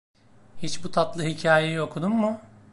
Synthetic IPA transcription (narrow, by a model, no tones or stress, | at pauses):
hit͡ʃbut̪ʰat̪lˠɯɦicʰaːjejio̞kʰud̪umːʊ